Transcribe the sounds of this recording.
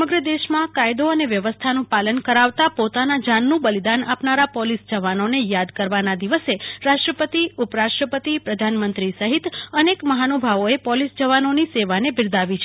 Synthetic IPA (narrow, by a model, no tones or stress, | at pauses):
əməɡɾəd̪eʃmãkajd̪oəneʋjəʋəst̪ʰanũpalənkəɾaʋt̪apot̪anad͡ʒanːũbəlid̪anapnaɾapɔlisd͡ʒəʋanonejad̪kəɾʋanad̪iʋəseɾaʃʈɾəpət̪iupɾaʃʈɾəpət̪ipɾəd̪ʱanmənt̪ɾisəɦit̪ənekməɦanobʱaʋoepɔlisd͡ʒəʋanoniseʋanebɪɾd̪aʋit͡ʃʰe